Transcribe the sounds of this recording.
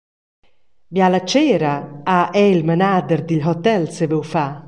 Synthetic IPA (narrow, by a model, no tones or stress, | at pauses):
bjalat͡ʃɛːɾaaʔɛilmɛnaːd̪ɛɾd̪iʎɦɔt̪ɛlsevɛwfa